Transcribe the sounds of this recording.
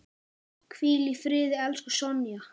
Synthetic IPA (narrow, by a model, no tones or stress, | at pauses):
kʰviːlifɾɪːðɪɛlskʏsɔnja